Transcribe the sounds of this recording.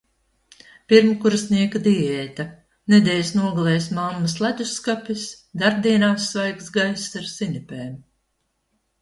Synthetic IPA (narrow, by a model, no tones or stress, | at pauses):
piɾmkuɾsniɛkad̪iɛːt̪a | nɛd̪ɛːjsnuɔɡalˠɛːjsmamːaslˠad̪ʲusːkapʲis | d̪aɾb̚d̪iɛnaːsːvajksɡajsːaɾsinipʲɛːm